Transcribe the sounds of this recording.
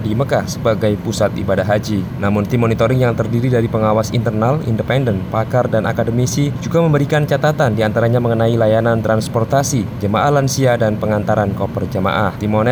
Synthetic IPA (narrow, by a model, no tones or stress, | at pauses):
diməkahsəbaɡajpusat̪ḭbadahɦad͡ʒi | namʊnt̪imonit̪oɾɪŋjaŋt̪ərdiɾidaɾipəŋawasḭnt̪ərnalḭndəpɛndənpakardanʔa̰kadəmisid͡ʒuɡaməmbəɾikant͡ʃat̪at̪andiant̪aɾaɲaməŋənailajanant̪ɾanspɔrt̪asid͡ʒəmaʔahlansiadanpəŋant̪aɾankɔpərd͡ʒəma̰ʔaht̪imonɛ